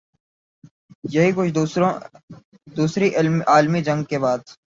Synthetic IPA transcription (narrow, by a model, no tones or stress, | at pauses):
jɐɦikʊt͡ʃʰ | d̪uːsɾiʔɪlaːlmid͡ʒɐ̃ŋɡ̚kebaːd̪̚